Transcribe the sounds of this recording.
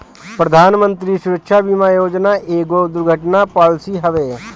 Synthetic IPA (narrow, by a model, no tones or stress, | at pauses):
pɾəd̪ʱaːnmə̃nt̪ɾisʊɾəkʃʰabimaːjoːd͡ʒnaʔeːɡod̪ʊɾɡʱəʈnapaːlsiɦəʋeː